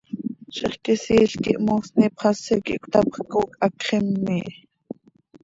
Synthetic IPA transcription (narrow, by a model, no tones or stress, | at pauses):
ʃeχkesiːɬkiʔmoːsnipχɑsɛkḭʔkʷʰt̪ɑpχkoːkʰɑkχimːiːʔ